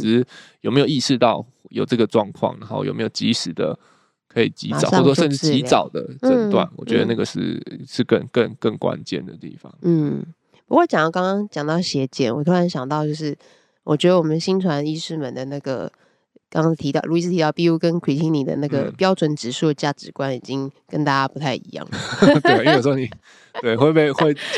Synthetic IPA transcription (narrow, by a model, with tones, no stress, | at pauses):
jo˨˩me˥jo˨˩i˥˧ʂɻ̩˥˧t̪ɑ˥˨ʊ | jo˨˩ʊʈ͡ʂɤ˥˩ɡə˩ʈ͡ʂwɑ̰˥˧ŋkʰwɑ̰˥˨ŋna̰˦xo̰˥˩jo̰˨˩me˧˥jo˨˩t͡ɕi˧˥ʂɻ̩˨˩d̪ə̰˦ | kʰɤ˧˥i˨˩t͡ɕi˧˥ma˧a˨ɑ˥˧˩wɔ˥ʂə˥˧nʈ͡ʂɻ̩˥t͡ɕt͡ɕi˨˥t͡sɑ˨˩ʊd̪ə̰˨ə˦˩nt̪wa̰˥˨˩nwɔ˨˩t͡ɕɥɛ˧˦d̪ə˧na˥˩ɡə˨˩ʂɻ̩̰˥˩ʂɻ̩˥˧kə˥˨ŋkə˥˧˨ŋkə˥˨˩ŋkwa̰˦nt͡ɕjɛ̰˨nd̪ə̰˩t̪ḭ˥˩fɑ̰˩ŋn̩˥˩ | pu˧˥kwɔ˥˩t͡ɕjɑ˨ŋt̪ɑ˥˩kɑ˥ŋkɑ˥ŋt͡ɕjɑ˨˩ŋt̪ɑ˥˩ʊɕjɛ˧˥t͡ɕjɛ̰˨˦nwɔ˨˩t̪ʰu˥ɻa˧˦nɕjɑ˨˩ŋt̪ɑ˥˧ʊt͡ɕjo˥˧ʊʂ̬ɻ̩˥˩ | wɔ˨˩t͡ɕɥɛ˧˥d̪ə˧wɔ˨mə˦nɕi˥nt̪ʰwa˧˦ni˥˧ʂɻ̩˥˩mə˨nd̪ə˨na˥˩ɡə̰˩ | kɑ˥ŋkɑ˥ŋt̪ʰi˧˥t̪ɑ˥˩ʊɻu˧˥i˨ʂ̬̩ʰ˥˩i˧t̪ɑ˥˧ʊpi˥˧u˥˧kə˦nkʰwi˨˩t͡ɕʰi˧˥ŋni˨˩d̪ə̰˦na˥˩ɡə̰˩pjɑ˥ʊʈ͡ʂwə˨˩nʈ͡ʂɻ̩˧˥ʂu˥˩ə˩t͡ɕja˥˩ʈ͡ʂɻ̩˧˥kwa˦ni˨˩t͡ɕi˦ŋkə˥nt̪a˥˧t͡ɕa˥pu˧˥t̪ʰa˥˩ɪḭ˧˥˦jɑ̰˥˩ŋt̪e˥˩˨wwni˨˩ | t̪we˥˩ɪxwe˥˧ɪpe˥˧ɪxwe˥˧ɪ